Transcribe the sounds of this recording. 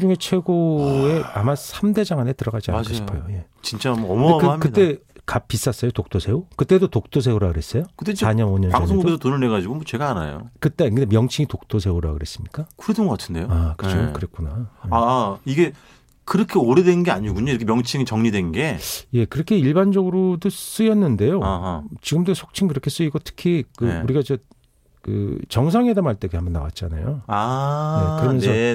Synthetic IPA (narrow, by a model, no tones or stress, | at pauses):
d͡ʑuŋe̞t͡ɕʰwe̞ɡoe̞amasʰamde̞d͡ʑaŋanetɯɾʌɡad͡ʑia̰ɡʌɕipʰajoje̞ | t͡ɕint͡ɕ͈amʌmʌaɡhamkɯt͈e̞kap̚p͈ːis͈as͈ʌjotok̚t͈osʰe̞okɯt͈e̞dotok̚t͈os̬ʰe̞uɾaɡɯɾe̞s͈ʌjokɯt͈ːeaɲʌnoɲʌnaŋsʰoŋɡuoɡesʰotonɯɭne̞ɡad͡ʑiɡomot͡ɕe̞ɡaana̰jo̰kɯt͈e̞kɯndemjʌŋt͡ɕʰiŋitok̚t͈osʰe̞uɾa̰ɡɯɾe̞s͈ɯmɲik͈akʰuɾedɯnɡʌk͈atʰɯndejoakɯd͡ʑʰokɯɾek͈unaaːiɡe̞ | kɯɾʌkʰeoɾedwennɡe̞aɲiɡuɲoiɾʌkʰemjʌŋt͡ɕʰiŋit͡ɕʌŋɲidwe̞nɡe̞je̞kɯɾʌkʰe̞iɭband͡ʑʌɡɯɾodos͈ɯjʌnːɯnde̞joaɦat͡ɕiɡɯmdosʰok̚t͡ɕʰiŋkɯɾʌkʰe̞s͈ɯiɡotʰɯ̥kʰikɯuɾiɡad͡ʑe | kɯ̰t͡ɕʌŋsʰaŋedamɦaɭt͈e̞ɡeambʌnːa̰wa̰t̚t͡ɕ͈ana̰jo̰ajekɯɾʌmjʌnsʰʌ